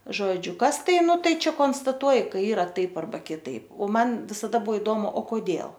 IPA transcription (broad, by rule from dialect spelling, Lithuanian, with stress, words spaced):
ˈʒoːd͡ʒʲʊ ˈkɐs ˈtɐɪ ˈnʊ ˈtɐɪ ˈt͡ʃʲɛ koːnstɐˈtuɔj kɐɪ ˈiːrɐ ˈtɐɪp ɐrˈbɐ kʲɪˈtɐɪp oː ˈmɐn ʋʲɪsɐˈdɐ ˈbuɔ ɪˈdoːmʊ oː koːˈdʲeːlˠ